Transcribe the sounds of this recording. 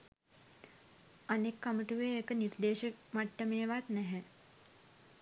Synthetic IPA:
anekːaməʈuʋeːekənird̪eːʃimaʈːəmeːʋat̪nɛɦɛ

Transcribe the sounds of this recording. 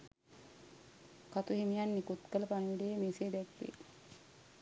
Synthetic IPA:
kat̪uɦimijanːikut̪kələpaniʋiɖijemeseːd̪ɛkʋḛ

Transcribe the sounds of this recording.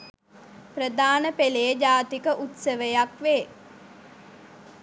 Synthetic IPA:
prəd̪aːnəpelejəd͡ʒaːt̪ikəʔut̪səʋəjakʋeː

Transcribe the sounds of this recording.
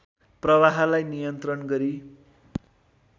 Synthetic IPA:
prʌwaɦlajnijʌnt̪rʌnɡʌɾi

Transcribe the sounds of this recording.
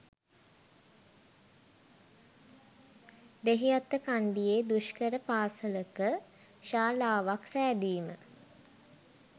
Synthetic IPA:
d̪eɦijat̪ːəkand̪ijeːd̪uʃkəɾəpaːsələkə | ʃaːlaːʋaksæːd̪iːmə

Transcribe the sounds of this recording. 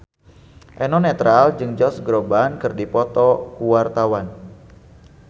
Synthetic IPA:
ʔɛnɔnɛt̪ɾald͡ʒɨŋd͡ʒɔsɡɾobankɨrdipɔt̪ɔkuwart̪awan

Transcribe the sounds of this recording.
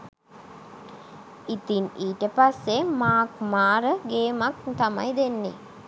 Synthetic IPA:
it̪iniːʈəpasːemaːkmaːɾəɡeːmak̚t̪ama̰jd̪enːḛ

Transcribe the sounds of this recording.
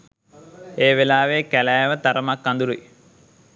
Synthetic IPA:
eːʋelaːʋeːkælæːʋət̪aɾəmakːand̪uɾui

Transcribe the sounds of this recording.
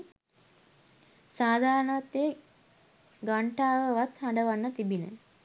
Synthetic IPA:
saːd̪ʱaːɾənəʋat̪e | ɡaɳʈaːʋəʋat̪haɳɖəʋanːət̪ibinə̰

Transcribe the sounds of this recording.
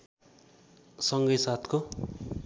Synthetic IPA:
sʌŋɡʌjsat̪ʰko

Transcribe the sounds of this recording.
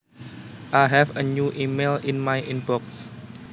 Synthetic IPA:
ʔajɦɛvənuʔimelinmajʔinbɔks

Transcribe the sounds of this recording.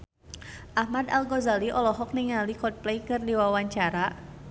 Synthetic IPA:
ʔahmad̪alɡɔzaliʔɔlɔɦɔk̚niŋalikɔt̪̚plɛjkɨrdiwawaɲt͡ʃaɾa

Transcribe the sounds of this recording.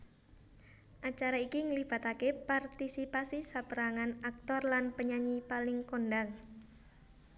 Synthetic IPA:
ʔat͡ʃaɾaikiŋəlib̥a̤t̪akepart̪isipasisapəɾaŋanak̚t̪ɔrlanpəɲaɲipalɪŋkonɖaŋ

